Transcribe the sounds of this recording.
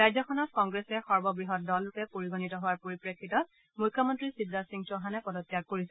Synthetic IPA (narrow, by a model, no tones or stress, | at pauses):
ɹajzɔxʰɔnɔtkɔŋɡɹesɛxɔɹbɔbɹiɦɔt̚dɔlːʊkɛpoɹiɡonitɔɦowaɹpoɹipɹekʰːitɔt̚ | mujkʰːɔmɔntɹisibɹasiŋtɔɦanɛpɔdɔtːijaɡ̚koɹisɛ